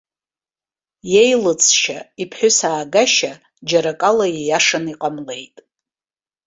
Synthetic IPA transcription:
jejlɨt͡sʼʰʃaipʰħʷᶣʊsaːɡaʃa | d͡ʒaɾakʼalajejaʂaniqʼamle̞jtʼ

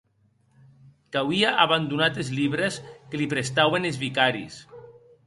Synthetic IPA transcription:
kawiaʔaβand̪unat̪ezliβɾeskelipɾest̪awenezβikaɾḭs

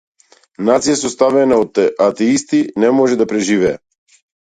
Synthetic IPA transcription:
nat̪sijasɔst̪avɛnaɔt̪ːɛʔat̪ɛist̪inɛmɔʒɛd̪apɾɛʒivɛː

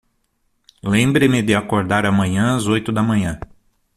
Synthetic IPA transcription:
lẽmbɾɪmɪd̪ɪakoɾd̪aɾɐmɐ̃ɲɐ̃azojt̪ʊd̪ɐmɐ̃ɲɐ̃

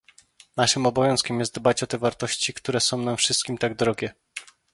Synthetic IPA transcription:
naʂɘmɔbɔvʲjɔ̃w̃skʲɛmjɛst̪̚d̪bat͡ɕɔt̪ɛvaɾt̪ɔɕt͡ɕikt̪uɾɛsɔ̃w̃namfʂɘst̪kʲimt̪aɡd̪ɾɔɡʲɛ

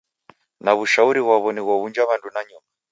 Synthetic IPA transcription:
naβuʃauɾiɣwaβɔniɣwaβund͡ʒaβandunaɲuma

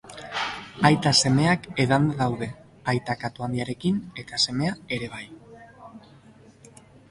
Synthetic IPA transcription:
ajt̪ase̞me̞akeðanðawðe̞ | ajt̪akat̪uand̪iaɾe̞kine̞t̪ase̞me̞ae̞ɾe̞β̞aj

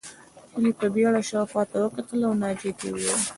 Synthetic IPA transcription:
kəlipəbeɽaʃɑxwɑt̪awəkat̪əlawnɑd͡ʒet̪ewwil

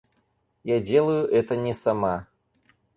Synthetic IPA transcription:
jadʲelˠəjʊʔɛt̪ənʲɛsama

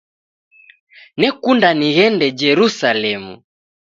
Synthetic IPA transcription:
nɛkundaniɣɛndɛd͡ʒɛɾusalɛmṵ

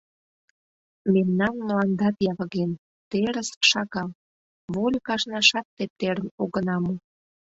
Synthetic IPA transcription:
memnɑnmolɑnd̪ɑt̪jɑβə̆ɣen | t̪eɾəsə̥kʃɑɣɑl | βolʲəkɑʃnɑʃɑt̪ːep̚t̪eɾə̆noɣənɑmu

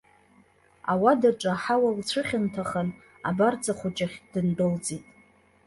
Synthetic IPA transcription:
awadaʈ͡ʂʼaħawalt͡ɕʷʰɨχʲɪntʰaχan | abard͡zʼaχʷʊt͡ʃʼaχʲdɨndɨld͡zʼitʼ

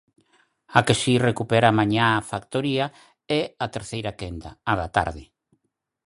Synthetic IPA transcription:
akesirekupɛɾamãɲaafakt̪oɾiɐ | ɛat̪eɾθejɾakend̪a̰ːðat̪a̰ɾðɪ

